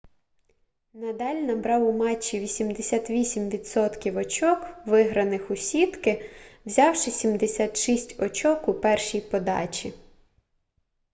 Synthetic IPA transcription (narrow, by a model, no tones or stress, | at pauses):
nɐd̪ɑlʲnɐbɾɑwʊmɑt͡ʃːiʋʲisʲimd̪esʲat̪ʋʲisʲimʋʲid̪sɔt̪kʲiwɔt͡ʃɔkʋɪɦɾɐnɪxʊsʲid̪kɪwzʲɑwʃɪsʲimd̪esʲat̪ʃisʲtʲɔt͡ʃɔkʊpɛrʃijpɔd̪ɑ̰t͡ʃʲi